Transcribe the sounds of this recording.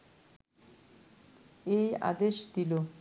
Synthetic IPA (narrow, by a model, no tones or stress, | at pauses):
eja̰d̪eʃd̪ilo